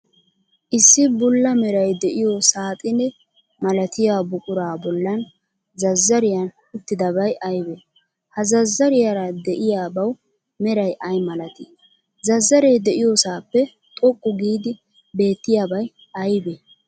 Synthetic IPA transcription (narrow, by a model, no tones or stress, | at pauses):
ʔɪsːɪbʊlːɐmɛɾɐjd̪ɛʔɪjosaːt̪ʼɪnɛ | mɐlɐt̪ɪjaːbʊkʼʊɾaːbɔlːɐn | zɐzːɐɾɪjɐn | ʊt̪ːɪd̪ɐbɐjʔɐjbe | hɐzɐzːɐɾɪjaɾɐd̪ɛʔɪjaːbɐw | mɛɾɐjʔɐjmɐlɐt̪ɪ | zɐzːɐɾɛjd̪ɛʔɪjosaːpːɛ | t̪ʼɔkʼːʊɡiːd̪ɪ | be̞ːt̪ːɪjaːbɐj | ʔɐjbeː